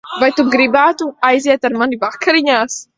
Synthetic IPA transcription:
vajt̪umɡɾibat̪uajziat̪aɾmanivakʰɐɾiɲas

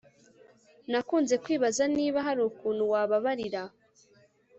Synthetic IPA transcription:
nakuːnze̞kwiːβazaniːβaɦaɾuːkuːn̤uwaːβaβaɾiɾa

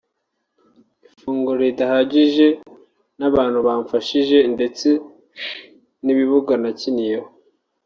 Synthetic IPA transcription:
ifuːŋɡuɾedahaɟiʒe̞ | naβaːn̥huβaːɱfaʃiʒe̞nde̞t͡se̞ | niβiβuɡanacinijeho

